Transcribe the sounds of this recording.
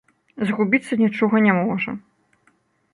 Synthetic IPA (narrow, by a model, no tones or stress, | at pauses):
zɐɣubʲit̪sːɐnʲit͡ʂɔɣɐnʲɛmɔʐɐ̰